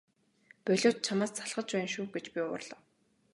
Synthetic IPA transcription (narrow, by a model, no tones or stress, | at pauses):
pœɮoːt̪̚t͡ɕʰamaːst͡sʰaɮʁə̆t͡ɕpæ̆ːnʃuːɡet͡ɕpʲiʊ̰ʊ̰rɮɔː